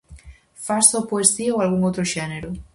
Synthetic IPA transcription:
fastopoest̪iaoalɣ̞uŋowt̪ɾoʃeneɾu

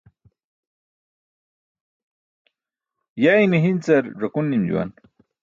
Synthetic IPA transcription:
jajmiɦint͡sɐɾʐɐkunːimd͡ʑṵwa̰n

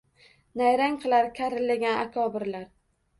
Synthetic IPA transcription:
najɾaŋqʰɨlˠaɾkʲʰaɾɪlːaɡʲanakʰɒbɪɾlaɾ

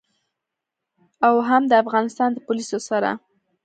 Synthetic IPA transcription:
awɦamd̪əafɣɑnɪst̪ɑnd̪əpʊlisosaɾa̰

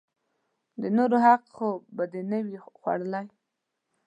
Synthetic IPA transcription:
d̪ənoɾoɦaqxobad̪enəwixwa̰ɽəlaj

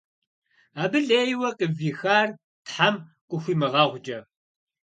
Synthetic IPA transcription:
aːbɨɮeːjwɐqʼəviːxaːr | tħamqʷʼʊxʷiːmɨʁɑːʁʷt͡ʃʼɐ

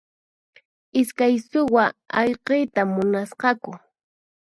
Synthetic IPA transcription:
ɪskajsʊwaɑʎqejt̪amːʊnasqɑkʊ

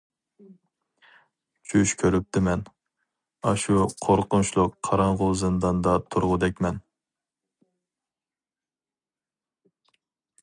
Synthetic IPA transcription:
t͡ʃʰyʃkʲʰøɾyp̚t̪ʰɪmɛn | ɑʃuqʰoɾqʊnt͡ʃlˠʊqʰːɑɾɑɴʁʊzɨnd̪ɑnd̪ɑt̪ʰuɾʁʊd̪ɛkʲmɛn

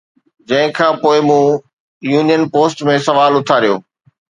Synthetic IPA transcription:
d͡ʑɐ̃ɦɪ̃kʰãːpoːɪmũː | juːnijənpoːsʈmẽsɐʋaːlʊt̪ʰaɾijoː

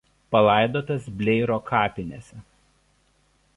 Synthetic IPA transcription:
pɐlˠɐˑɪd̪oːt̪ɐsbʲlʲɛɪɾoːkʰɑːpʲɪnʲesʲɛ

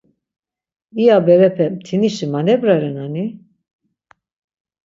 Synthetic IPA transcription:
iabɛɾɛpʰɛmt̪ʰiniʃimanɛbɾaɾɛnani

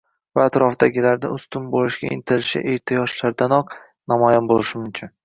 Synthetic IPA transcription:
vaːt̪ɾɒfd̪aɡʲɪlaɾnɪ̰ʊst̪ʊmbolˠɪʃɡʲa̰ɪ̰nt̪ʰɪɾɪʃɪ̰ʔeɾt̪ʰijɒʃlaɾd̪anɒq | namɒjanbolɪʃɪmʊmkʲʰɪn

